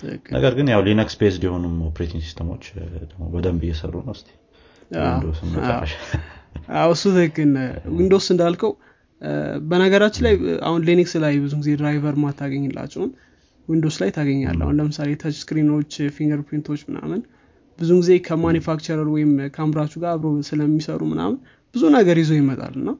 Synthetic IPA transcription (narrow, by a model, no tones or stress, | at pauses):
t̪ʰɨ̰hɨ̰kːɨnə̰ɡəɾɡɨnjawlinəkspʰesd̪jɛho̞numopʰɾet̪ʰiŋɡsi̥st̪ʰəmo̞̰t͡ʃːd̪əɡmobəd̪əmbɨjːɛsə̰rːṵnəwst̪ʰi̥ | a̰ind̪osɨnmə̰ə̰ʃ | ʔawɨsːut̪ʰɨhɨkːɨnwind̪o̞sɨnd̪alkʰəw | bənəɡəɾat͡ʃːɪnlaja̰hunleniksɨlajbɨzuɡɨze̞dɾajvəɾmat̪ʰːaɡəɲːɪlːa̰t͡ʃːɛhun | wind̪o̞slajt̪ʰaɡəɲːa̰lːa̰hunləmɨsalet̪ʰət͡ʃskɾinot͡ʃːfiŋɡəɾpʰint̪ʰo̞t͡ʃːmɨna̰mɨn | bɨzuŋɡɨze̞kʰəmanjufakt͡ʃəɾəɾwɔjɪmkʰəamɾat͡ʃːuɡaaβɾosɨləmːisəɾumɨna̰mɨn | b̥ɨzunəɡəɾjizojɪmət̪ʼa̰lɨnːa